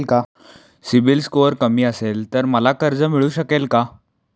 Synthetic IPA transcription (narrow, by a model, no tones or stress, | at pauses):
lka | sibilskoəɾkəmiːəselt̪əɾməlakəɾd͡zəmiɭuːɕəkelka